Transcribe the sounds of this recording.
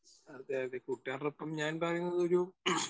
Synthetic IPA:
ɐd̪eːɐðekuʈːaːrɐropːɐmɲaːnpɐrɐjːunːɐðo̞ɾu

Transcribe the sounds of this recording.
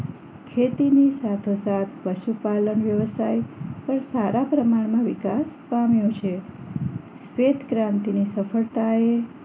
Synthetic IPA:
kʰet̪inisat̪ʰosat̪ʰpəʃupalənʋjəʋəsajpəɾsaɾapɾəmaɳmãʋɪkaspamjõt͡ʃʰe | sʋet̪ɡɾãnt̪inisəfəɭt̪ae

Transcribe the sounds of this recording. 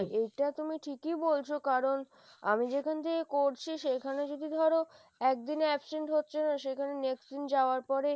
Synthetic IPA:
ʔejʈat̪umiʈʰikibolt͡ɕʰokaɾon | a̰mid͡ʑekʰanet̪ʰekekoɾt͡ɕʰiʃekʰaned͡ʑod̪id̪ʱɔɾo | ɛk̚d̪ineɛpseɳʈɦotːɕʰenaʃekʰaneneksʈd̪ind͡ʑaoaɾpɔɾe

